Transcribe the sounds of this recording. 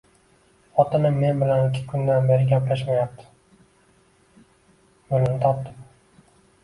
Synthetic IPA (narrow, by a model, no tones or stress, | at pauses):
χɒt̪ɪnɪːe̞nbɪlanɪkʲʰɪ̥kʰʊnd̪anbe̞ɾɪɡʲaplaʃmajap̚t̪ʰɪ̥ | olɪnɪt̪ʰɒp̚t̪ɪm